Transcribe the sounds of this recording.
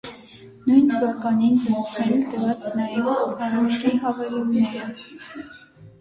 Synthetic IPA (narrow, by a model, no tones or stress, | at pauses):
nujnt̪ʰəvɑkɑninɡəɾɔχɛɾt̪əvɑt͡snɑjɛvɑɾɑnkiɦɑvɛlumnɛɾə